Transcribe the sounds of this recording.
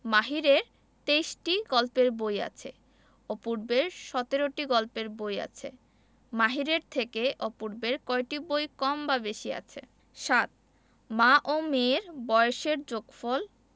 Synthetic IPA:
maɦiɾeɾ | t̪ejʃʈiɡɔlpeɾboja̰t͡ɕʰḛ | ɔpuɾbeɾʃɔt̪eɾoʈiɡɔlpeɾboja̰t͡ɕʰḛ | maɦiɾeɾt̪ʰekeʔɔpuɾbeɾkɔeʈibojkɔmbabeʃia̰t͡ɕʰḛ | ʃat̪̚ | maʔomeɾbɔjoʃeɾd͡ʑoɡfɔl

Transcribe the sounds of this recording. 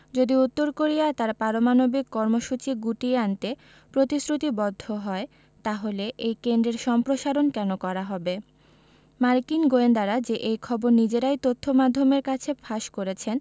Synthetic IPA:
d͡ʑod̪iut̪ːoɾkoɾijat̪aɾpaɾomanobikːɔɾmoʃut͡ɕiɡuʈieant̪e | pɾot̪isɾut̪ibɔd̪ʱːoɦɔe | t̪aɦoleʔejkend̪ɾeɾʃɔmpɾoʃaɾonkɛnokɔɾaɦɔbe | maɾkinɡoend̪aɾad͡ʑeʔejkʰɔboɾnid͡ʑeɾajt̪ot̪ʰːomad̪ʱːomeɾkat͡ɕʰefʰaʃkoɾet͡ɕʰen

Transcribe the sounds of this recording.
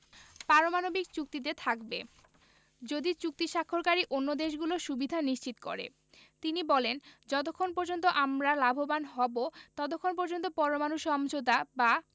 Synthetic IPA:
paɾomanobikt͡ɕuk̚t̪id̪eɾt̪ʰakbe | d͡ʑod̪it͡ɕuk̚t̪iʃakʰːoɾkaɾiʔonːod̪eʃ̬ɡuloʃubid̪ʱaniʃt͡ɕit̪o̥ko̰ɾḛ | t̪inibɔlend͡ʑɔt̪okʰːonpɔɾd͡ʑont̪̬oʔamɾalabʱobanɦɔbot̪ɔt̪̬okʰːonpɔɾd͡ʑont̪opɔɾomanuʃɔmd͡ʑod̪aba

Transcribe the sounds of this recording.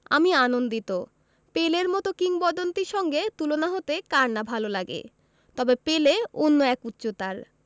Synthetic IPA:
a̰mianond̪it̪o | peleɾmɔt̪okiŋbɔd̪ont̪iɾʃɔŋɡet̪ulonaɦot̪ekaɾnabʱalolaɡḛ | t̪ɔbepeleonːoɛkut̪ːɕot̪aɾ

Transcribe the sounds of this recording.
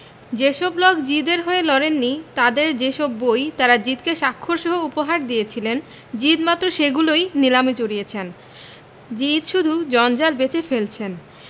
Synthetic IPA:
d͡ʑeʃɔblɔkd͡ʑid̪eɾɦoelɔɾenːit̪ad̪eɾd͡ʑeʃɔbːojt̪aɾad͡ʑit̪keʃakʰːoɾʃɔɦoupoɦaɾd̪ijet͡ɕʰilen | d͡ʑid̪mat̪ːɾoʃeɡulojnilamit͡ɕoɾijet͡ɕʰen | d͡ʑit̪ʃud̪ʱud͡ʑɔnd͡ʑalbet͡ɕefelt͡ɕʰen

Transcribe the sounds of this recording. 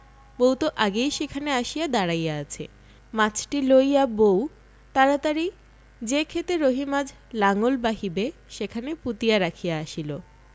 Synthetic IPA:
boɦwt̪oʔaɡejʃekʰaneaʃijad̪aɽajaat͡ɕʰe | mãt͡ɕʰʈilojabow | t̪aɾat̪aɾi | d͡ʑekʰet̪eɾoɦimad͡ʑʱ | laŋolbaɦibeʃekʰaneput̪ijaɾakʰijaaʃilo

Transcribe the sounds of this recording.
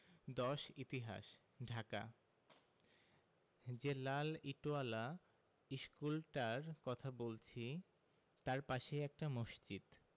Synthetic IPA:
d̪ɔʃit̪iɦa̰ʃ | ɖʱaka̰ | d͡ʑelaliʈoala | iʃkulʈaɾkɔt̪ʰabolt͡ɕʰi | t̪aɾpaʃeɛk̚ʈamoʃt͡ɕid̪

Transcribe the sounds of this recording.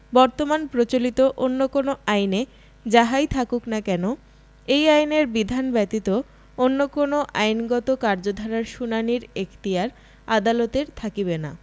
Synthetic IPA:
bɔɾt̪omanpɾot͡ɕolit̪oʔonːokonoʔajne | d͡ʑaɦajt̪ʰakuknakɛno | ejajneɾbid̪ʱanbɛt̪it̪o | onːokonoʔajnɡɔt̪okaɾd͡ʑod̪ʱaɾaɾʃunaniɾekt̪iaɾ | ad̪alɔt̪eɾt̪ʰakibena̰

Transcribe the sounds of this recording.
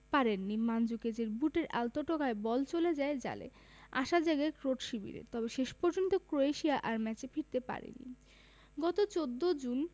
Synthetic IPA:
paɾenːimand͡ʑuked͡ʑeɾbuʈeɾʔalt̪oʈokaebɔlt͡ɕoled͡ʑaed͡ʑa̰lḛ | a̰ʃad͡ʑaɡaekɾoʈʃibḭɾḛt̪ɔbeʃeʃpɔɾd͡ʑont̪okɾoeʃiaʔaɾmɛt͡ɕefʰiɾt̪epa̰ɾḛnːḭ | ɡɔt̪ot͡ɕod̪ːod͡ʑun

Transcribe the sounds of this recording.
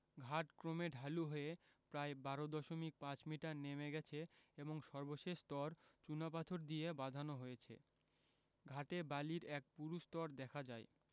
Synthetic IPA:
ɡʱaʈkɾomeɖʱaluɦoepɾaebaɾod̪ɔʃomik̚pãt͡ɕmiʈaɾnemeɡɛt͡ɕʰeeboŋʃɔɾboʃeʃt̪ɔɾt͡ɕunap̬at̪ʰoɾd̪iebad̪ʱanoɦojet͡ɕʰḛ | ɡʱaʈebaliɾɛk̚puɾuʃt̪ɔɾd̪ɛkʰad͡ʑae

